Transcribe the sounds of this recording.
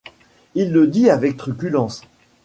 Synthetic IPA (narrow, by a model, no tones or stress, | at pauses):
ilːəd̪iavɛk̚t̪χykʲylɑ̃s